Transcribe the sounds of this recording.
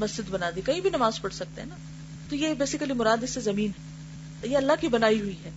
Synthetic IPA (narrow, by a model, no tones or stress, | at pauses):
mɐsd͡ʒɪd̪bɐnaːd̪ikɐɦĩbʱinɐmaːzpɐɽsɐk̚t̪ḛɦɛ̰na | t̪ojebeːsɪkəlimʊɾaːd̪ɪsːezɐmiːnɦɛ | jeɐlːaɦkibɐnaːiɦʊiɦɛː